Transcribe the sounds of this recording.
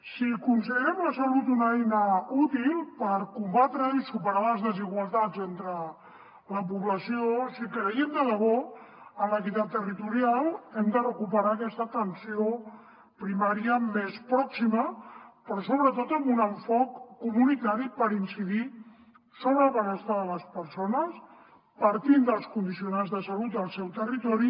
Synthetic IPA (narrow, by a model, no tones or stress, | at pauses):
sikunsəɣɾɛmləsəlut̪unəɛjnəut̪ilˠpəɾkumbat̪ɾəisupəɾaləzðəziɣwəlˠt̪ad͡zent̪ɾə | ləp̬uβləsiosikɾəiəmd̪əðəβɔ | ənləkit̪at̪ːərit̪uɾialˠɛmd̪ərəkupəɾakɛst̪ət̪ənsio | pɾimaɾiəmespɾɔksiməpɾɔsoβɾət̪ot̪əmbunəɱfɔkːumunit̪aɾipəɾinsiði | soβɾəlβənəst̪aðələspəɾsonəs | pəɾt̪ind̪əlˠskund̪isiunanzðəsəlut̪əlˠsɛwt̪ərit̪ɔɾi